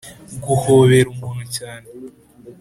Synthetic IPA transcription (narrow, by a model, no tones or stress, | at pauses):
ɡuhoβeɾumunucaːne